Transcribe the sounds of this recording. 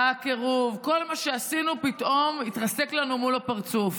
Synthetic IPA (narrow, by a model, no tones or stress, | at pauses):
akeʁuvko̞lmaʃeasinupit̪ʔo̞mit̪ʁɐse̞klanumulapaʁt͡suf